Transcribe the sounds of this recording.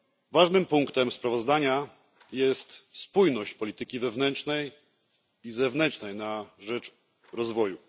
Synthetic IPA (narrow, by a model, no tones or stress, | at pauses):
vaʐnɘmpuŋkt̪ɛmspɾavɔzd̪aɲa | jɛst̪spujnɔɕt͡ɕpɔlʲit̪ɘkʲivɛvnɛnt͡ʂnɛj | izɛvnɛnt͡ʂnɛjnaʐɛt͡ʂ | ɾɔzvɔju